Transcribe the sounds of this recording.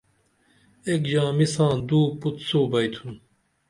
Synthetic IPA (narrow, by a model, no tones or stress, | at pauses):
ekd͡ʑãːmisãːd̪uːput̪soːbɐjt̪ʰun